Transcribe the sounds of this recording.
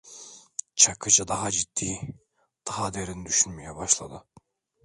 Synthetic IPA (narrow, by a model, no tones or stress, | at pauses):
t͡ʃʰakʰɯt͡ʃad̪aɦad͡ʒit̪ːiː | d̪̥aɦad̪eɾind̪yʃynmejɛbaʃlˠa̰d̪ɯ